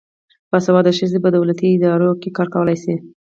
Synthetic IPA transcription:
pasawɑd̪əʃəzebad̪awlat̪iɪd̪ɑɾokekɑɾkawəlajsi

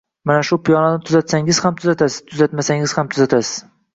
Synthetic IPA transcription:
manaʃʊpʰijɒnanɪt̪ʰʊzat̪saŋɪz̥hamt̪ʰʊzat̪ʰasɪz̥t̪ʰʊzat̪masaŋɪz̥hamt̪ʰʊzat̪ʰasɪ̥z̥

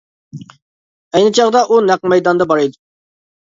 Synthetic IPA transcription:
ɛjnɪt͡ʃʰɑʁd̪ɑʔunæq̚mɛjd̪ɑnd̪ɑbɑɾɨjd̪u

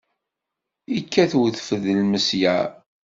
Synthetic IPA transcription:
ikʰːæθwθfəðəlməsjæ

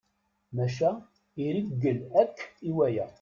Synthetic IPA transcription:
mæʃæ | iɾiɡːəlækːiwæjæ̰

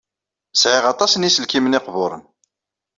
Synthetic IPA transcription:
sʕɪʁɑt̪ˤɑsnisəlkimənɪqvʊɾˤə̰n

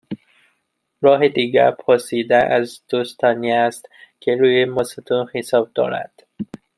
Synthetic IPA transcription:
ɾɒːɦed̪iːɡæ̰ɾpʰoɾsiːd̪æʔæzd̪̥ost̪ʰɒːniæst̪kʰeɾuːjemɒset̪ʰunxesɒːb̚d̪ɒ̰ːɾæ̰d̪̥

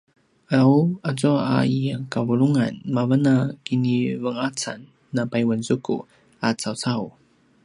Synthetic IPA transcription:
aawat͡sɔa̰iakavuɾuŋa̰nmavənakinivəŋat͡sa̰nː | apajwənzukṵ | at͡sawt͡saw

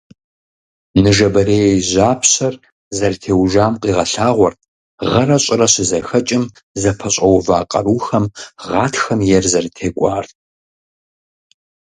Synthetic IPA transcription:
nɨʒɐbɐɾeːjjʑaːpʰɕɐr | zɐrtʰeːwʒaːmqʼiːʁɐɬaːʁʷɔrtʰʼ | ʁɐrɐɕʼɪrɐɕɪzɐxɐt͡ʃʼɪm | zɐpʰɐɕʼɐwvaːqʼɐɾuːxɐmʁɑːtʰxɐmjɛrzɐrtʰeːkʷʼɑːr

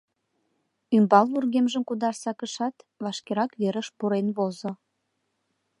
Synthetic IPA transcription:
ymbɑlβurɣemʒəmkud̪ɑrsɑkəʃɑt̪βɑʃkeɾɑkβeɾəʃpuɾenβozo

